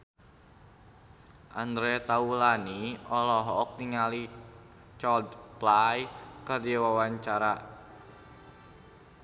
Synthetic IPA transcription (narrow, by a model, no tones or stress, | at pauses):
ʔand̪ɾɛt̪aulaniɔlɔɦɔːk̚niŋali | t͡ʃɔd̪plajkərdawawaɲt͡ʃaɾa